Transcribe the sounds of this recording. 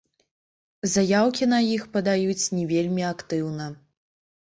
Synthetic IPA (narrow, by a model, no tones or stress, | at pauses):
zajawkʲin̪ɐjixpɐd̪ajut͡sʲnʲɛvʲelʲmʲiakt̪ɨwnɐ